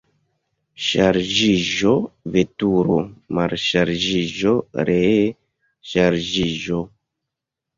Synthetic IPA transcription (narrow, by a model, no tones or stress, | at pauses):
ʃaɾd͡ʒiʒovetuɾomaɾʃaɾd͡ʒiʒoɾe | ʃaɾd͡ʒiʒo